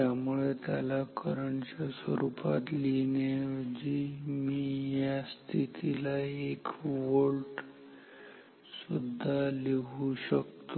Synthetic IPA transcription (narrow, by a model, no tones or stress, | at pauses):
jamuɭet̪jalakəɾəɳt͡ɕasʋə̰ɾupa̰t̪lined͡ʑimijast̪ʰit̪ʰilaekʋoɭʈ | sud̪ʱːaleuɕəkt̪o